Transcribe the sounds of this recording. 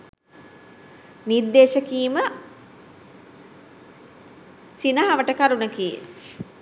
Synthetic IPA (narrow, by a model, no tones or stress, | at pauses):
niɾd̪ːeːʃəkiːmə | sinɐɦaʋəʈəkaɾunəkijə̰